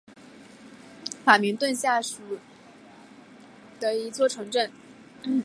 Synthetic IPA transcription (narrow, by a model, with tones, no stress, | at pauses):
fa˨˩mi˧˥ŋt̪wə˥˧nɕja˥˩ʂu˨˩ | t̪ə˧i˧˥t͡swɔ˥˩ʈ͡ʂʰɤ˧˥ŋʈ͡ʂə˥˩n